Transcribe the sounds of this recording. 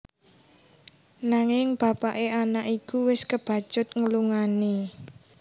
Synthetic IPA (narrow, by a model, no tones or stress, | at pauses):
naŋɪŋb̥ä̤paʔeanakʔikuwɪskəb̥ä̤̥ʒ̥ʊt̪̚ŋəluŋane